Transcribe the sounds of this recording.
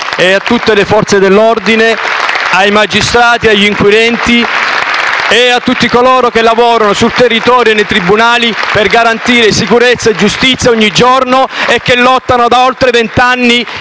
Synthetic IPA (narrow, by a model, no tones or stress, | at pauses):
eat̪ːut̪ːelefɔrt̪sed̪elːɔrd̪ineajmad͡ʒist̪ɾaːt̪iaʎːiŋkwid̪ɛnt̪i | eat̪ːut̪ːikoloːɾokelːavɔːɾanosult̪erːit̪ɔːɾjoenːejt̪ɾibunaːliperɡaɾant̪iːɾesikuɾet̪sːaed͡ʒust̪it̪sjaɔɲːid͡ʒornoekːelːɔt̪ːanod̪aolt̪ɾevent̪anːi